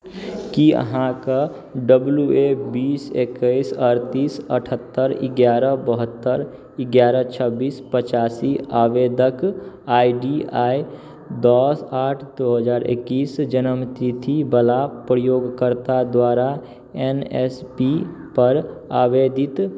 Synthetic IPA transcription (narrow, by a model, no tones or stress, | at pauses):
kiə̰ɦãka | ɖəbljuebiːsekəɪsəɾt̪iːsəʈʰət̪ːəɾɪ̰ɡjaːɾəbəɦət̪ːəɾ | ɪɡjaːɾət͡ʃʰəbiːspət͡ʃaːsiaːʋeːd̪əkaːiɖiaːi | d̪ɔːsaːʈʰd̪oːɦəzaːɾʔɪ̰kːiːsd͡ʒənəmt̪it̪ʰibəlapɾəjoːɡkəɾt̪ad̪waːɾa | ɛːnɛspipəɾaːʋeːd̪ɪt̪